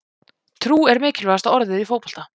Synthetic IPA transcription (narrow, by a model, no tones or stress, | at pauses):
t̪ʰɾuːɛɾmɪːcɪlvast̪aðɔɾðɪðifoːwpɔl̥t̪a